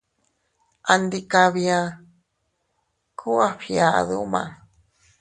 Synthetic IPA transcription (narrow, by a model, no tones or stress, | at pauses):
ʔand̪ikaβja | kʰuaɸia̰ðṵma̰